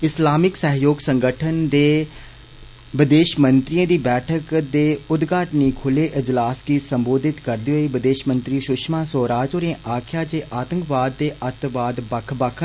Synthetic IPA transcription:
ɪslaːmɪksəɦjoːɡsə̃ŋɡəʈʰənd̪eː | ʋɪd̪eːʃmənt̪ɾijãːd̪iːbɛːʈʰəkd̪eːʊd̪ɡaːʈniːkʰʊleːʔɪd͡ʒlaːskiːsəmboːd̪ɪt̪kəɾd̪iːɦoːiːbɪd̪eːʃmə̃nt̪ɾiːʃʊʃmãːsoːɾaːd͡ʒoːɾẽːʔaːkʰjaːd͡ʒeːʔaːt̪ə̃ŋkbaːd̪ːeːʔət̪ʋaːd̪bəkʰbəkʰ

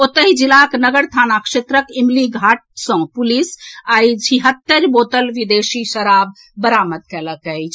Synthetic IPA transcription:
ot̪əɦid͡ʒilaknəɡəɾt̪ʰanakset̪ɾəkimliɡʱaʈ̚sə̃pulisajd͡ʒʰiɦət̪ːəɾbot̪əlʋid̪esiʃəɾab̚ː | əɾamət̪̚kɛləkəjt͡ʃʰ

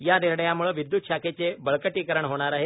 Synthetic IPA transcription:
janiɾɳəjamuɭəʋid̪juːt̪̚ɕaket͡sebəɭkəʈiːkəɾəɳɦoɽ̃aɾaɦe

